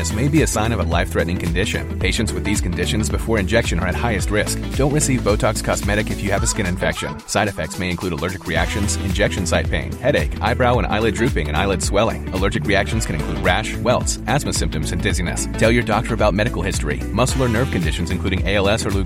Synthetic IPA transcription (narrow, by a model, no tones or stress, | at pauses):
ɨsmeɪbiɨsãɪ̃nʌvəlaɪfθɹɛʔnɪ̃ŋkʰɨ̃n̩dɪʃɨ̰̃npʰeɪʃɨ̃ntswɨðiz̥kʰɨ̃n̩dɪʃɨ̃nzbɨfɔɹɨ̃nd͡ʒɛkʃɨ̃nə̰˞ɨt̚haɪɨst̚ɹɪsk̚d̥õʊ̃nʔɹɨsivboʊtʰɑkskʰɑzmɛɾɨkɨfjɨːvɨskɪ̃ñɨ̃ɱfɛkʃɨ̰̃nsaɪɾɨfɛk̚tsmeɪɨ̃nkʰl̥ʉɾəlɜ˞d͡ʒɨkʰɹiæ̰kʃɨ̃nz̥ɨ̰̃nd͡ʒɛkʃɨ̃n̩saɪt̚pʰḛ̃ɪ̃nhɛɾeɪkʔa̰ɪbɹaʊə̃nʔa̰ɪlˠɨdɹʉpɪ̃ŋɨ̃ña̰ɪlˠɨd̥swɛlˠɪ̰̃ŋəlɜ˞d͡ʒɨkɹiækʃɨ̃n̩z̥kʰɨ̃ñɨ̃nkʰl̥ud̚ɹæʃwɛlˠtsæzmɨsɪ̃mp̚tɨ̃mzɨ̃ndɪzinɨ̰stʰɛlˠjə˞dɑk̚tʰə˞ɨbaʊt̚mɛɾɨkl̩ˠhɪstɹ̥ḭmʌsl̩ˠə˞nɜ˞v̥kɨ̃ndɪʃn̩zɨ̃n̩kʰʉɾɪ̃ŋeɪɛlˠɛsə˞lu